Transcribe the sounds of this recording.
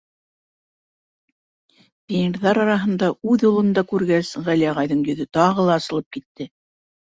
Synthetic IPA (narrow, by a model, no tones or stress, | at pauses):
tʲinɾðɑɾɑɾɑɦɤ̆nd̪ɑʉðjulˠɤ̆nd̪ɑkʉɾɡæsʁæliɑʁɑjðɤɴjɵ̆ðɵt̪ɑʁɤlˠɑːsɤ̆lˠɤp̚kit̪ːɘ